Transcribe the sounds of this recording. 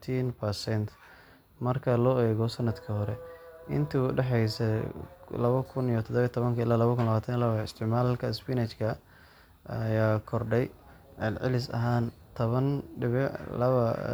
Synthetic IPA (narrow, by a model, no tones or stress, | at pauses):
t̪ʰiːnpʰɐsɛnt̪ʰ | mɐrkʰɐlɔːɛːɣɔsɐnːɐd̪kʰɐhɔɾɛɪ̰nt̪ʰiʊɖɛħɛjsɛ | lɐβɐkʰʊnijt̪ʰɔd̪ɔβɐjt̪ʰɔβɐŋkʰɐɪlaːlɐβɐkʰʊnlɐβaːt̪ʰɐnjlɐβɐɪst̪ʰɪʕmaːlkʰɐɪspinɛt͡ʃkʰɐ | ɐjaːkʰɔrɖɛj | ʕɛlʕɪ̰lɪsɐ̰ɦaːnt̪ʰɔβɐnɖɪβlɐβɐ̰